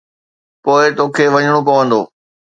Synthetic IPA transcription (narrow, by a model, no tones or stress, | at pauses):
poːɪt̪oːkʰeːʋɐɲəɽ̃opɐʋə̃nd̪o̰ː